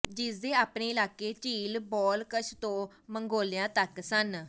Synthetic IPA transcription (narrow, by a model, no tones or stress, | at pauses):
d͡ʒɪsd̪eːaːpneːɪlaːkːeːt͡ʃiːlbɔːlkəʃʰt̪õː | məŋɡoːljãːt̪əksən